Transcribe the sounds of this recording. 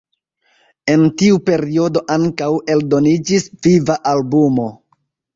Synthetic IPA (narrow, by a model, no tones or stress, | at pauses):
e̞ntiupe̞ɾio̞do̞ʔaŋkawe̞ldo̞nid͡ʒisvivaʔalbumo̞